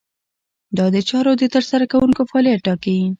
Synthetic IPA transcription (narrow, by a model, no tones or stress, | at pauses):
d̪ɑd̪ət͡ʃɑɾod̪ət̪əɾsaɾakawuŋkofɑlijaʈːɑkawi